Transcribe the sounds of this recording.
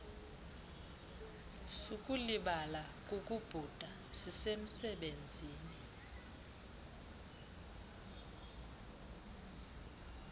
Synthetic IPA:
suk̬ʼuliɓala | k̬ʼok̬ʼub̥ʱud̥ʱa | sisem̩sɛɓend͡zʱiːni

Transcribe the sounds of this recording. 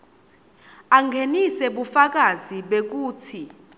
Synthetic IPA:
aŋɡʱenisɛɓufak̬aziɓek̬uːtʰi

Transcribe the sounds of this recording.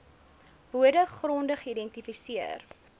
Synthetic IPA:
buədəχrɔndəχidɛntifisiər

